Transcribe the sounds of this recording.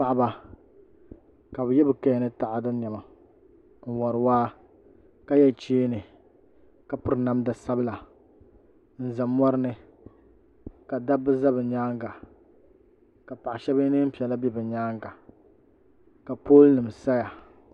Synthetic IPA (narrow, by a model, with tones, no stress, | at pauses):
pa˦ʔba˨ | ka˨bɨ˨jɛ˦bɨ˨ka˦˨nɨ˦ta˨ʔa˨dɨ˦ɲɛ˨ma˨ | n̩˨wɔ˨ɾɨ˨waː˦ | ka˦jɛ˦˨t͡ʃeː˦nɨ˨ | ka˨pʊ˦ɾɨ˨na˦mda˨sa˦bɨ˦la˨ | n̩˨za˨mɔ˦ɾɨ˦nɨ˦ | ka˨da˦bɨ˦za˦bɨ˨ɲaː˦ŋɡa˨ | ka˨pa˨ʔa˨ʃɛ˦bɨ˦nɨ˦m̩˦pi˨ɛ˨la˦bɛ˦bɨ˨ɲaː˦ŋɡa˨ | ka˨poː˦lnɨ˨m˨sa˦ja˨